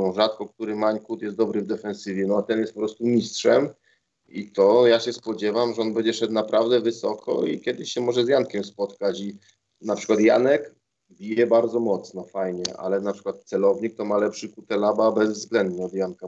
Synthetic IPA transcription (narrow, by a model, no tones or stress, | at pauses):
ʐat̪kɔk̚t̪uɾɘmaɲkut̪jɛst̪d̪ɔbɾɘvd̪ɛfɛnsɘvʲjɛnɔat̪ɛnjɛst̪pɔpɾɔst̪umʲistʂɛm | it̪ɔjaɕɛspɔd͡ʑɛvamʐɛɔnbɛɲd͡ʑɛʂɛt̪napɾavd̪ɛvɘsɔkʰɔ̰ḭkʲɛd̪ɘɕɕɛmɔʐɛzjankʲɛmspɔt̪kat͡ɕi | napʂɘ̥kwat̪ja̰nɛk | bʲijɛbaɾd̪zɔmɔt̪snɔfajɲɛʔa̰lɛnapʂɘ̥kwat̪̚t̪sɛlɔvɲik̚t̪ɔmalɛpʂɘkut̪ɛlababɛzvzɡlɛnd̪ɲɛɔd̪janka